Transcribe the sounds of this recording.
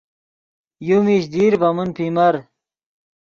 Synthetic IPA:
jumiɕd̪iːɾbɐmunpimɐɾ

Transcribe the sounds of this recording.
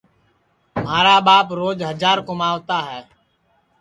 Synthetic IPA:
m̤aːɾaːɓaːpɾoːd͡ʒɦəd͡ʒaːɾkomaːʋt̪aːɦɛː

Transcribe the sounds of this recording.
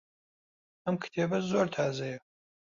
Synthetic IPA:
ɐmkʰt̪ʰeːbɐzoːɾt̪ʰaːzɐjɛ

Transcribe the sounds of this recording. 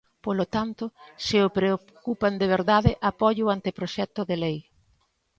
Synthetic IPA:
polot̪ant̪ʊsɪopɾeo | kupɐnd̪eβ̞eɾðaðɪʔapɔʎʊant̪ɪpɾoʃɛt̪ʊðelej

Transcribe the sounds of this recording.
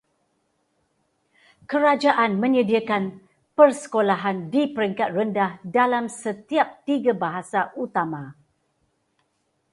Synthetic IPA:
kəɾad͡ʒaʔanmə̃ɲədiakan | pərsə̥kolaɦandipəɾiŋkat̪̚rəndahdalamsət̪iap̚t̪iɡabaɦasaʔut̪amã

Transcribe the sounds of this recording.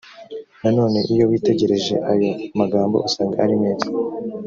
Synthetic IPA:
nano̞ːne̞ʔijo̞wiːte̞ɟe̞ɾe̞ʒe̞̰ʔajo̞maɡaːmbo̞̰ʔasaːŋɡaaɾimeːzḁ

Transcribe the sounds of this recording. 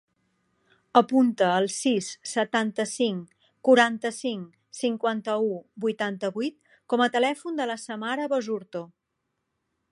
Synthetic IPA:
əpunt̪əːlˠsisːət̪ant̪əsiŋ | kuɾant̪əsiŋ | siŋkwant̪əubujt̪ant̪əβujt̪̚ | kɔmət̪əlɛfund̪ələsəmaɾəβəzuɾt̪o

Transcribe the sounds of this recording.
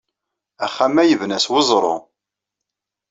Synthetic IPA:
æχːæmæjəvnæswəzˤɾˤo̰

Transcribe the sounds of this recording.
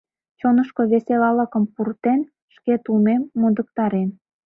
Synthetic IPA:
t͡ɕonəʃkoβeselɑlɑkə̆mpurt̪en | ʃket̪umemːod̪ək̚t̪ɑɾen

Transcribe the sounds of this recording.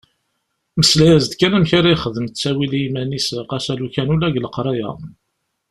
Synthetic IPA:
məslæjæzd̪kænæmçaɾajχəðəmt͡sːæwilimænisəqæsælukænulæʝləqɾˤɑjæ̰

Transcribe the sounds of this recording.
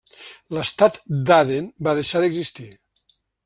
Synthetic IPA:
ləst̪at̪d̪aðenbaðəʃaðəɡzist̪i

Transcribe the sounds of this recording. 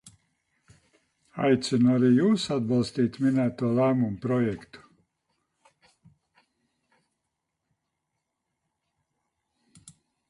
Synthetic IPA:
a̰jt̪sinuaɾiːjuːsad̪bɑlˠst̪iːt̪minæːt̪oːlˠæːmumpɾɔjɛkt̪u̥

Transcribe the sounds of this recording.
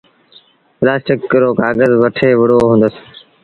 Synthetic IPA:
plaːsʈɪkːɾoːkaːɡəzʋəʈʰeːʋɪɽoːɦũːnd̪əs

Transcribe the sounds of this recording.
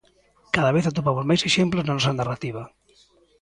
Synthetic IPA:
kaðaβeθat̪opamozmajseʃemploznanɔsanarat̪iβ̞a

